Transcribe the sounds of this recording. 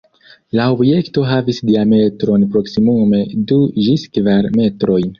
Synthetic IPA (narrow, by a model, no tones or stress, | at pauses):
laobje̞kto̞ɦavisdiame̞tɾo̞npɾo̞ksimume̞duʒiskvaɾme̞tɾo̞jn